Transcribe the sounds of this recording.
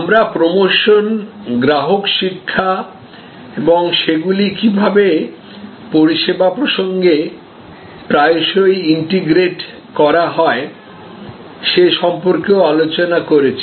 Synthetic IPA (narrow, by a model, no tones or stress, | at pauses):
amɾapɾomoʃonɡɾaɦokʃikʰːa | eboŋʃeɡulikibʱabe | poɾiʃebapɾoʃoŋɡe | pɾaeʃojiɳʈiɡɾeʈ | kɔɾaɦɔe | ʃeʃɔmpoɾkeoalot͡ɕonakoɾet͡ɕʰi